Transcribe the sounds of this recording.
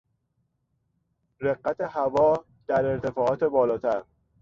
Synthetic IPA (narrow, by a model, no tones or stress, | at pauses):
ɾeɢːæt̪ʰehævɒː | d̪̥æɾe̞ɾt̪ʰe̞fɒːʔɒːt̪ʰe̞bɒːlɒːt̪ʰæɾ